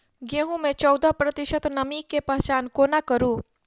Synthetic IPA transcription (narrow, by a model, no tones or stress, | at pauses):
ɡẽɦũmẽt͡ʃɔwd̪apɾət̪ɪʃət̪nəmikːepəɦt͡ʃaːnkoːnakəɾũː